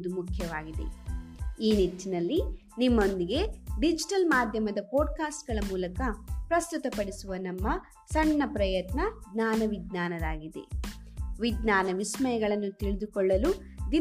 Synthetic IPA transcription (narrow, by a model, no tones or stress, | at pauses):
d̪umukʰjɐʋaːɡid̪ḛ | iːnit̪ːinɐlːi | nimːo̞nd̪iɡe̞ɖid͡ʒiʈɐlmaːd̪ʱjɐmɐd̪ɐpoːɖ̚kaːsʈɡɐɭɐmuːlɐkɐpɾɐst̪ut̪ɐpɐɽisuʋɐnɐmːɐ | sɐɳːɐpɾɐjɐt̪nɐɡnaːnɐʋiɡnaːnɐd̪aːɡid̪e̞̰ | ʋiɡ̪naːnɐʋismɐjɐɡɐɭɐnːut̪iɭid̪ukɔɭːɐlu | d̪i